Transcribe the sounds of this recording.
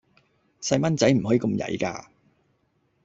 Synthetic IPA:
sɐ˧jmɐ˥nt͡sɐ˨˥jm̩˨˩ɦɔː˨˥iː˧ko˧mjɐ̰˨˥jka̰ː˧

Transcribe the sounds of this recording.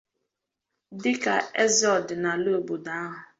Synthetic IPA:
dɪ˦ka˨e˦zɔ˨dna˨lo˦˨bo˨da˦a˦ɦʊ˨

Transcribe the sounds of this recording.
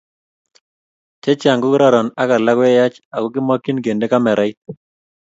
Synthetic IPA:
t͡ʃɛ˦t͡ʃɪ˦a˨ŋɡʊ˦kɾɔ˦ɾɔ˨na˦ka˨la˦kɛ˦ja˦t͡ʃa˨ɡʊ˦kɪ˦mwa˦ki˦nɡe˨nde˦ka˦mɛ˨ɾa˦i˦t̪̚

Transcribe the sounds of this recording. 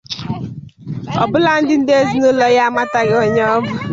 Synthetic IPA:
ɔ̰˨bʊ˦la˨n̩˦dɪ˦n̩˦de˦zi˦no˦lɔ˦ja˦a˦ma˦ta˨ɣɪ˦o˨ɲɔ˦bʊ˦

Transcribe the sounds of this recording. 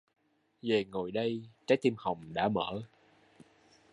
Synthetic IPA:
ve˨˩ŋo˨˩jɗə˧jt͡ɕaː˨˦jt̪i˧mha˨˩wŋ͡mɗa̰ː˧˥mə̰ː˧˥

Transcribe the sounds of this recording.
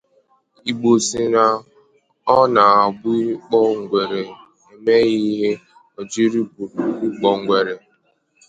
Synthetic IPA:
i˨ɡ͡bo˨si˨na˨ | ɔ˦na˨a˨bʊ˦i˦k͡pɔ˦ŋ̩˨ɡʷe˨ɾe˨ | e˨me˦ɣi˦ɦe˦ | ɔ˨d͡ʒi˦ɾi˦bu˨i˦k͡pɔ˨ŋ̩˨ɡʷe˨ɾe˨

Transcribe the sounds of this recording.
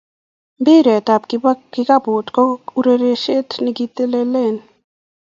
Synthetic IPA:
mbɪ˦ɾe˨ta˨pkɪ˦ka˦bʊ˨tkɔ˦u˦ɾe˦ɾe˦ʃe˦tni˦ɡi˦t̪e˦le˦le˦˨n

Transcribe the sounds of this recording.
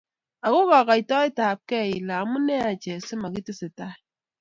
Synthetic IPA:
a˨ɣu˦ɣɔ˨ɣa˨i˨tɔ˦e˦ta˨p̚kɛ˦˨i˨la˨mu˦ne˦a˨d͡ʒɛ˨si˦ma˨ki˦ti˦si˨ta˦

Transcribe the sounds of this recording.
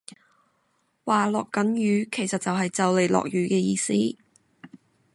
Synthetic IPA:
waː˨lɔː˨kːɐ˨˥njyː˨˧kʰe˨˩jsɐ˨t̚t͡sɐ˨wɦɐ˨jt͡sɐ˨wle˨jlɔ̰ː˨k̚jyː˨˥kɛː˧jiː˧siː˥

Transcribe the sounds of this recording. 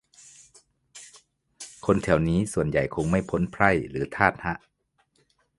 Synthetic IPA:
kʰo˧nt̪ʰɛ˨˩˦wniː˦˥su˨˩ənja˨˩jkʰo˧ŋma˥˩jpʰo˦˥npʰɾa˥˩jlɯː˩˦t̪ʰaː˥˩t̪̚ha˦˥ʔ

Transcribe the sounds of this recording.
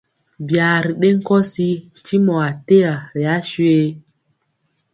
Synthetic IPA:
bjaː˨ɾi˨ɗe˦ŋ̩˦kɔ˦si˦n˨ti˦mɔ˨a˨te˦a˨ɾi˨a˦ʃwe˦

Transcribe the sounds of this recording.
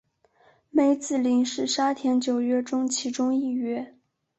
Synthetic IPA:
me˧˥ɪt͡sɹ̩˥˩li˧˥ŋʂɻ̩˥˩ʂa˥t̪ʰjɛ˧˥nt͡ɕjo˨˩ʊɥɛ˥˩ʈ͡ʂʊ˥ŋt͡ɕʰi˧˥ʈ͡ʂʊ˥ŋi˥˩ɥɛ˥

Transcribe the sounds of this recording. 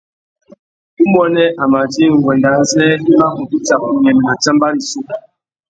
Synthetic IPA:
u˦bɔ˦nɛ˦ʔa˨ma˨d͡ʒi˦ŋ̩˨ɡwɛ˨nda˨˦n̩˦zɛ˦i˦ma˦mu˨ki˦t͡ʃa˨ku˨ɲɛ˨m˨na˨t͡ʃa˦mba˦ɾi˨su˦˨

